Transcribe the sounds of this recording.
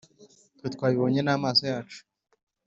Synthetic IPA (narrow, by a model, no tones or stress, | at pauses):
twiːt̪kwaːβiβoːɲe̞naːmaːso̞jaːt͡ʃu̥